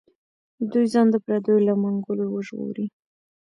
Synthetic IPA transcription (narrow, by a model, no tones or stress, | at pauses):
d̪ujzɑnd̪əpɾad̪əjolamaŋɡʊlowəʒɣo̰ɾi